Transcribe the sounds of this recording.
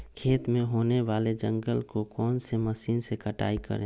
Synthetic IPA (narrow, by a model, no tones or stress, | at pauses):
kʰeːt̪mẽɦoːneʋaːled͡ʒə̃ŋɡəlkokɔːnseməsiːnsekəʈa̰ːikə̰ɾẽː